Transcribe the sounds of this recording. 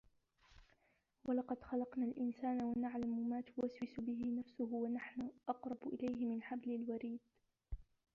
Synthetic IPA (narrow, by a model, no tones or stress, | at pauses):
walɑqɑd̪xɑlɑqnaːlʔɪnsaːnawanaʕlamʊmaːt̪ʊwaswɪsʊbɪɦɪnafsʊɦʊwanaħnʊʔɑqɾˤɑbʊʔɪlajɦɪmɪnħablɪlwaɾiːd̪̚